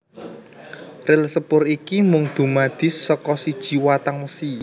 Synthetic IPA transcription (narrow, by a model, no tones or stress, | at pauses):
relsəpʊɾikimʊŋd̪̥ṳmad̪̥ɪ̤sːɔkɔsid̥ʒ̥i̤wat̪aŋwəsi